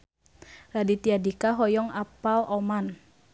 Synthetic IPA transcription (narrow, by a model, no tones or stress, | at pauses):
radit̪iadikaɦɔjɔŋapalʔɔman